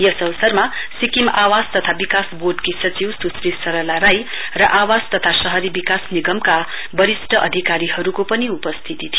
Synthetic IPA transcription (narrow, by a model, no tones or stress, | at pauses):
jʌsʌwʌsʌrmasikimawad͡zt̪ʌt̪ʰabikasboʈkisʌt͡siwsusrisʌɾʌlaɾaj | rʌʔawad͡zt̪ʌt̪ʰasʌɦʌɾibikasniɡʌmka | bʌɾisʈʰʌʔʌd̪ʱikaɾihʌɾukopʌniupʌst̪ʰit̪it̪ʰij